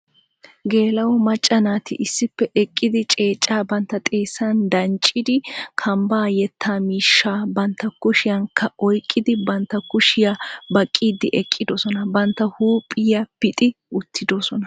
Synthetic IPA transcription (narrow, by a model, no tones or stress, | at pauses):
ɡe̞ːlɐwɔmɐt͡ʃʼːɐnaːt̪ɪ̰ʔɪsːɪpːɛʔɛkʼːɪd̪ɪt͡ʃʼe̞ːt͡ʃʼːaːbɐnt̪ːɐt̪ʼeːsːɐnd̪ɐnt͡ʃʼːɪd̪ɪkʰɐmbaːjɛt̪ʰːaːmiːʃːaːbɐnt̪ːɐkʊʃɪjɐŋkʰːɐɔjkʼːɪd̪ɪbɐnt̪ːɐkʊʃɪjabɐkʼːiːd̪ɪʔɛkʼːɪd̪osɔnɐbɐnt̪ːɐhuːpʼɪjapɪt̪ʼɪ | ʊt̪ʰːɪd̪osɔnɐ